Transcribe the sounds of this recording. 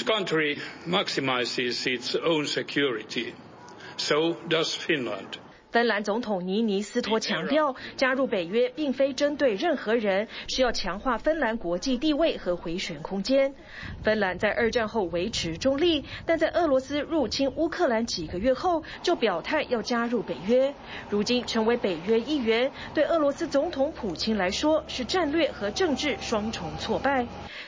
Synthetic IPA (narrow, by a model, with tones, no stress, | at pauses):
kʰʌ̃ntɹimæksimaɪsɪzɪtsõʊ̃nsɛkʰjuɹɪtʰi | soʊdʌz̥fɪ̃nlə̰̃nd̥ | fə˥nla˧˥nt͡sʊ˧˥ŋt̪ʰʊ˨˩ŋni˧˥ni˧˥sɹ̩˥t̪ʰwɔ˥t͡ɕʰjɑ˧˥ŋt̪jɑ˥˩ʊt͡ɕja˥ɻu˥˩pe˨˩ɪɥɛ˥pi˥˩ŋfe˥ɪʈ͡ʂə˥nt̪we˥˧ɪɻə˥˩nxɤ˧˥ɻə˧˥nʂ̩˥˧jɑ˥˩ʊt͡ɕʰjɑ˧˥ŋxwa˥˩fə˥nla˧˥nkwɔ˧˥t͡ɕi˥˧t̪i˥˧we˥˩ɪxɤ˧˥xwe˧˥ɪɕɥɛ˨˩nkʰʊ˥ŋt͡ɕjɛ˥n | fə˥nla˧˥nt͡sa˥˧ɪʔə˞˥˧ʈ͡ʂa˥˧nxo˥˩ʊwe˧˥ɪʈ͡ʂʰɻ̩˧˥ʈ͡ʂʊ˥ŋli˥˩t̪a˥˧nt͡sa˥˧ɪʔɤ˥˩lwɔ˧˥sɹ̩˥ɻu˥˩t͡ɕʰi˥nu˥kʰɤ˥˩la˧˥nt͡ɕi˨˩ɡə˦ɥɛ˥˧xo˥˩ʊ | t͡ɕjo˥˩ʊpjɑ˨˩ʊt̪ʰa˥˩ɪjɑ˥˩ʊt͡ɕja˥ɻu˥˩pe˨˩ɪɥɛ˥ | ɻu˧˥t͡ɕi˥nʈ͡ʂʰɤ˧˥ŋwe˧˥ɪpe˨˩ɪɥɛ˥i˥˩ɥɛ˧˥n | t̪we˥˧ɪɤ˥˩lwɔ˧˥sɹ̩˥t͡sʊ˧˥ŋt̪ʰʊ˧˥ŋpʰu˨˩t͡ɕʰi˥ŋla˧˥ɪʂwɔ˥ʂɻ̩˥˧ʈ͡ʂa˥˧nlɥɛ˥˩xɤ˧˥ʈ͡ʂɤ˥˧ŋʈ͡ʂɻ̩˥˩ʂwɑ˥ŋʈ͡ʂʰʊ˧˥ŋt͡sʰwɔ˥˧pa˥˩ɪ